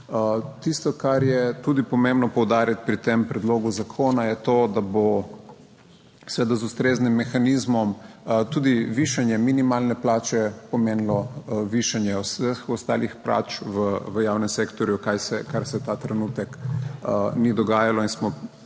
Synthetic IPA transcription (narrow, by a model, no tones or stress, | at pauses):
t̪ist̪ɔkaɾjɛt̪ud̪ipɔmẽmbnɔpɔwd̪aːɾjat̪pɾit̪empɾɛd̪loːɡuzakʰoːnajɛt̪od̪abo | sʋeːd̪azust̪ɾeznimːɛxanizmɔmt̪ud̪iʋiʃanjɛminimalnɛplaːt͡ʃɛpɔmeːnlɔʋiʃanjɛɔsəxɔst̪a̰ːlixpla̰ːt͡ʃʋəʋəjawnɛmsekt̪ɔɾjukajsɛkaɾsɛt̪at̪ɾɛnut̪ɛk | nid̪ɔɡaːjalɔinsmɔ